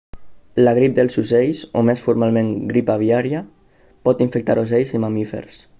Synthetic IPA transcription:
laɣ̞ɾip̚d̪elˠzuzejso̰mesfuɾmalˠmẽŋɡɾipaβ̞iaɾia | pɔt̪iɱfek̚t̪a̰ɾozejsimamifḛɾs

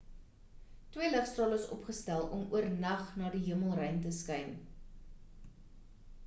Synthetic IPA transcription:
twiələχstrɑːləsɔ̰pχəstælˠɔmuərnɐχnɑːdiɦiəməlˠrəjntəskœjn

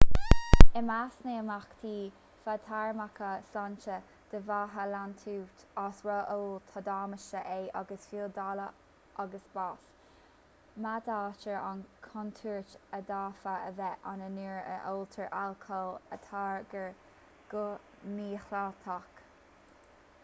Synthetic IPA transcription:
əmasneːəmaxt̪ʰiː | fat̪ʰaɹmakʰəsant͡ʃə | d̪̥əvaːɦəlant̪ʰuːt̪ɑːsɹɔʔoːlt̪ʰɑd̪aːməʃəʔeːʔa̰ɡəsfiːld̪alə | ʔaɡəsbaːs | mad̪aːt͡ʃəɹa̰nkʰɔnt̪ʰuːɹt͡ʃəd̪aːfəəvɛʔanəniːɹə̰ʔoːlt̪ʰəɹʔalkʰɔlə̰t̪ʰaːɹɡəɹ | ɡ̥o | miːxlat̪ʰak

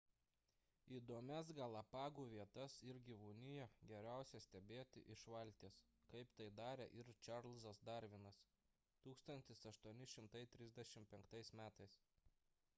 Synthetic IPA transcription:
iːd̪oːmʲɛsɡɐlˠɐpɑːɡuːʋʲiɛt̪ɐsɪɾɡʲiʋuːnʲɪjɛɡʲɛɾʲæˑʊsʲɛsʲt̪ʲɛbʲeːt̪ʲɪ̰ʔɪʃʋɐlʲt̪ʲeːs | kɐɪpt̪ɐɪd̪ɑːɾʲɛ̰ʔɪɾt͡ʃʲɑɾlʲˠzɐsd̪ɐɾʲʋʲɪnɐs | t̪uːkst̪ɐnʲt̪ʲɪsɐʃt̪uɔnʲɪʃʲɪmt̪ɐɪt̪ʲɾʲɪzʲd̪ʲɛʃʲɪmpʲɛŋkt̪ɐɪsmʲæːt̪ɐɪs

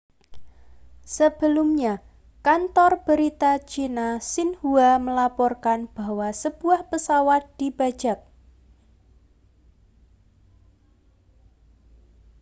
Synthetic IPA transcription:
səb̥əlʊmɲa | kant̪ɔrb̥əɾit̪at͡ʃinasɪnhuaməlapɔrkanb̥ahwasəb̥uahpəsawat̪̚d̪̥ibḁd͡ʒa̤k̚

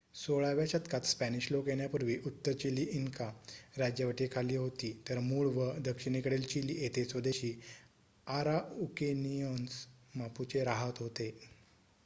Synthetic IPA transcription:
soɭaʋjaɕət̪kʰat̪spæniɕlokjeɳjapuɾʋiːʔut̪ːəɾt͡ɕiliːʔiŋkaɾad͡ʑjəʋaʈikʰaliːɦot̪iːt̪əɾmuɭʋəd̪əkʂinikəɽelt͡ɕiliʔet̪et͡sʋəd̪eɕiː | aɾaukenijonsmaput͡seɾaɦət̪ɦot̪e

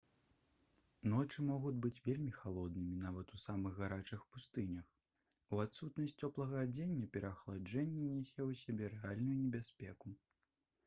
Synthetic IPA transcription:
nɔt͡ʂɨmɔɣud͡zʲbɨt͡sʲvʲelʲmʲixalˠɔd̪nɨmʲinavɐt̪usamɨɣːaɾat͡ʂɨxpust̪ɨnʲɐx | uat̪sut̪nɐsʲt͡sʲɔplˠɐɣɐad͡zʲenʲːɐpʲɛɾɐxlˠad͡ʐɛnʲːɛnʲɛsʲɛwsʲabʲɛɾɛalʲnujunʲɛbʲasʲpʲɛku

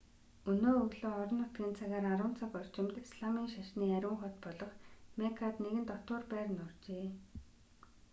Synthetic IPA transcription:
ɵnoːɵɣɮoːɔɾɞ̆nːʊt̪ɡʲiːnt͡sʰaɣaːɾaɾʊːn̥t͡sʰakɔr̥t͡ɕɪ̆mt̪sɮamiːŋʃaʃniːæɾʲʊ̆ŋχʊ̆t̪pɔɮɞ̆χmekʰat̪neɣɘ̆nt̪ɔt̪ʊːrpæːr̆nʊrt͡ɕeː

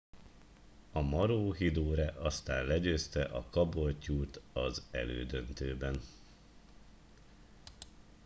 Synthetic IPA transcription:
ɒmɒɾoːɦid̪oːɾɛʔɒst̪aːnlɛɟøːst̪ɛʔɒkɒbo̞lcuːt̪ɒzɛ̰lø̰ːd̪ø̞nt̪øːbɛn

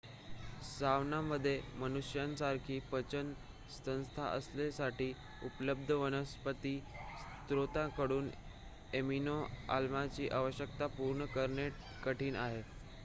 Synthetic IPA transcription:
saʋnaməd̪ʱːjemənuʂjãnsaɾkʰiːpət͡ɕən | sə̃w̃st̪ʰa̰ʔə̰slesaʈiː | upləb̚d̪ʱəʋənəspət̪iː | st̪ɾot̪ãkəɽuːn | eminoa̰lmat͡ɕiːʔaʋəɕjək̚t̪apuɾɳəkəɾɳe | kəʈiːnaɦe

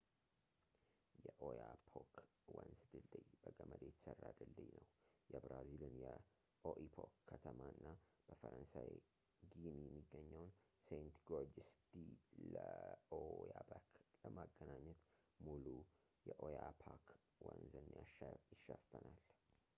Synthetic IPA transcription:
jɛʔojapʰok | wənzd̪ɨld̪ɨjb̥əɡəməd̪et̪sərːad̪ɨld̪ɨjnəwjɛbɾazilɨnjɛ | ʔoʔipʰokʰːət̪ʰəmaɨnːab̥əfəɾənsaj | ɡinijɛmːiɡːəɲːəwnsejnt̪ɡod͡ʒɪst̪ʰiləojabakləmaɡːənaɲːɛt̪mulu | jɛʔojapʰak | wənzənːjaʃjɪʃːəfənal

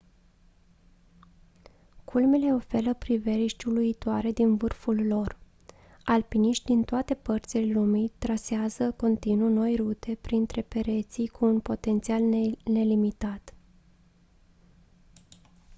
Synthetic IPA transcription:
kʰulme̞le̞o̞fe̞ɾəpɾive̞ɾiʃt̪ʲuluit̪oaɾe̞d̪invɨrfulːo̞r | alpiniʃt̪ʲd̪int̪oat̪e̞pərt̪sile̞lumit̪ɾaseazəko̞nt̪inuno̞jrut̪e̞pɾint̪ɾe̞pe̞ɾe̞t̪sijkʰuːnpo̞t̪e̞nt̪sialne̞limit̪at̪

